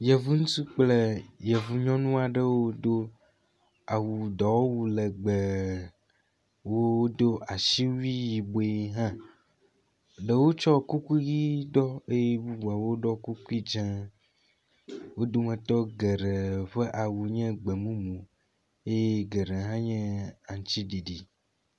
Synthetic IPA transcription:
jɛ˨vu˦ŋũ˦t̪u˦k͡plə˦jɛ˨vu˨ɲɔ̃˦nũ˦a˨ɖə˦wo˦d̪o˦ | a˨wu˨d̪ɔ˨wo˦wu˨lɛ˨ɡ͡bɛ˨ | wo˦o˦d̪o˦a˨ʃi˦wi˦ji˨bo˨e˨ɦã˦ | ɖə˨wo˦t͡ʃɔ˦ku˦ku˦i˦ɣi˦d̪ɔ˦e˦je˦bu˦bu˨a˨wo˦ɖɔ˦ku˦ku˦i˦d͡ʒã˦ | wo˦d̪o˦mẽ˨t̪ɔ˦ɡe˨ɖe˨ɸe˦ʔa˨wu˨ɲɛ̃˦ɡ͡be˨mũ˦mũ˨ | e˦je˦ɡe˨ɖe˨ɦã˦ɲɛ̃˦a˨ŋ̃˦t͡ʃi˦ɖi˨ɖi˨

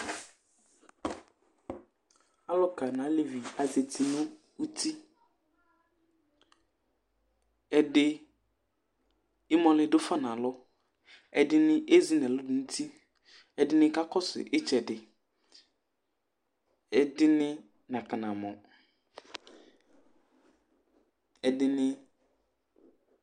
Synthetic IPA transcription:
a˦lɔ˦ka˨nã˨˦le˦vi˨a˨ze˨tʰi˨nʊ̃˦ | u˦tʰi˦ | ɛ˨dɪ˦ | ɪ˦mɔ̃˦lɪ˦dʊ˦fa˦nã˨lɔ˦ | ɛ˨dɪ˦nɪ̃˦ʔe˦zi˦nɛ˨lʊ˦dʊ˨n̩˦tʰi˦ | ɛ˨dɪ˦nɪ̃˦ka˦kɔ˦sɪ̰˨ʔɪ˦t͡ʃɛ˨dɪ˨ | ɛ˨dɪ˦nɪ˦ | nã˨ka˨nã˨mɔ˨ | ɛ˨dɪ˦nɪ˦

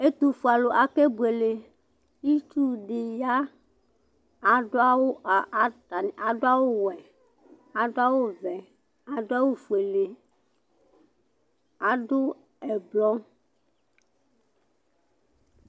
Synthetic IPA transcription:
e˦t̪u˨fu˨a˨lo˨ʔa˨ke˦bu˨e˨le˨ | i˦t͡ʃu˦ɖe˨ja˦ | a˨ɖo˦a˦wo˦a˨a˨˦ta˨n˨ʔa˨ɖo˦a˦wo˦wɛ˨ | a˨ɖo˦a˦wo˦vɛ˨ | a˨ɖo˦a˦wo˦fu˨e˨le˨ | a˨ɖo˦ | ɛ˨blɔ˦

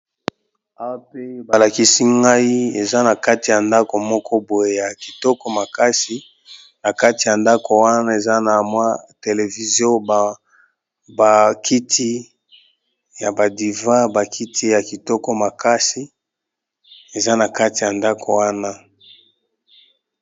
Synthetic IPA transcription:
a˦wa˦pe˦ba˨la˨ki˦si˦ŋɡa˦i˦e˨za˦na˨ka˦ti˨ja˨nda˦ko˨mɔ˦kɔ˦bo˨je˨ja˨ki˨tɔ˦kɔ˦ma˨ka˦si˨ | na˨ka˦ti˨ja˨nda˦ko˨wa˦na˦e˨za˦na˨mwa˦te˨le˨vi˨zjo˦˨ | ba˨kʰi˦tʰi˦ | ja˨ba˨di˨va˦ba˨kʰi˦tʰi˦ja˨ki˨tɔ˦kɔ˦ma˨ka˦si˨ | e˨za˦na˨ka˦ti˨ja˨nda˦kʰo˨wa˦na˦

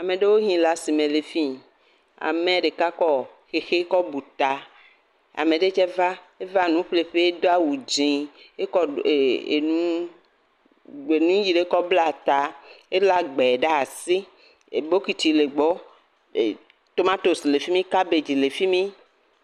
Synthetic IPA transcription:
a˨mẽ˨ɖe˦wo˦ɦĩ˦la˨si˨mẽ˨le˨fi˦ | a̰˨mẽ˨ɖe˨ka˦kɔ˦xe˨xe˦kɔ˦bu˨t̪a˨ | a̰˨me˨ɖe˦t͡ʃɛ˦va˦ | e˦va˦nũ˦ɸle˨ɸe˦e˦d̪o˦a˦wu˨d͡ʒĩ˨e˦kɔ˦˨e˨nũ˦ | e˨nũ˦ji˨ɖe˨˦kɔ˦bla˦˨t̪a˨e˦la˦ɡ͡bɛ˨ɖa˦a˨si˦ | e˨bo˦ki˨t̪i˨le˨ɡ͡bɔ˦˨ | t̪o˦mã˦t̪o˨sle˨fi˦mĩ˦ka˦be˨d͡ʒi˨le˨fi˦mĩ˦

